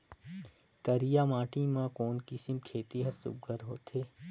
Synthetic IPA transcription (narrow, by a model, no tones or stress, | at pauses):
k̪ɐɾijaːmãːʈimãkoːnkisɪmkʰeːt̪iɦɐɾsʊ̰b̚ɡəɾɦo̰ːt̪ʰeː